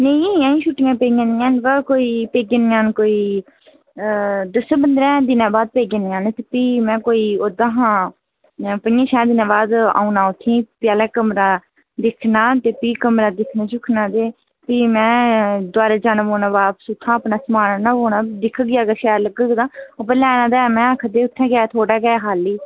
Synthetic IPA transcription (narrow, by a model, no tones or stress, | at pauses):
nəĩãːĩːʃʊʈːɪjãːpeːɡãːnɪjãːnbəkoːiːpeːɡenɪjãːnkoːiː | d̪əsəbənd̪ɾɛ̃ːd̪ɪnãːbaːd̪̚peːɡenɪjãːnt̪epiːmɛ̃ːkoːiːoːd̪ãːɦãː | pənjãːʃaːd̪ɪnãːbaːd̪a̰ːunaːʊt̪ʰːĩːpjaːlɛːkəmɾaː | d̪ɪkʰnaːt̪eːpiːkəmɾaːd̪ɪkʰnãːt͡ʃʊkʰnãːd̪eː | piːmɛ̃ːd̪waːɾaːd͡ʒaːnãboːnãːbaːpsut̪ʰːãːəpnaːsəmaːnanãːboːnaːd̪ɪkʰːəɡɪjaːɡəʃɛːɾləɡəɡd̪ãːəpəɾlɛːnãːd̪aːmɛ̃ːəkʰəd̪eːʊt̪ʰːɛ̃ːɡːt̪ʰoːɽaːɡɛːɦaːliː